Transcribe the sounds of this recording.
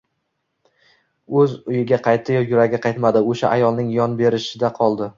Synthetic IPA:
ɵzʊjɪɡʲaqʰɑjt̪ʰːɪjɒjʊɾaɡʲaqʰɑjt̪mad̪ɪoʃa̰ʔajɒlˠnɪŋjɒnbe̞ɾɪʃɪd̪aqʰɒlˠd̪ɪ

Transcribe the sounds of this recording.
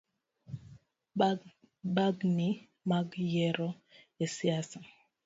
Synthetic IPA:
baɡni | maɡjɛɾɔ | esiasa

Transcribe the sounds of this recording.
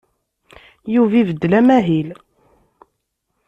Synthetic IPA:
juvivəd̪ːlæmæɦil

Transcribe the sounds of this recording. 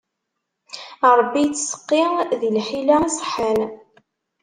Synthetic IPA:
ɾˤbːijt͡sːsə̥qːiðilħilaisˤħəl

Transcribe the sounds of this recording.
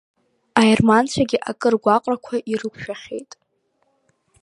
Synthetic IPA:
airmant͡ʃʷʰaɡʲɪʔakʼɨrɡʷaqʼrakʷʰaʔirɨkʷʰʃᶣaχʲe̞̰jtʼ

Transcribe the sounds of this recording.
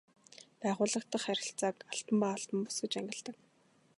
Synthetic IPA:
pæːʁʊːɮə̆k̚t̪ə̆χæɾʲɪ̆ɬt͡saːkaɬp̪ə̆mpaːaɬp̪ə̆mpʊ̥sɡɘ̆t͡ɕæŋɡʲɪ̆ɮt̪ə̆k

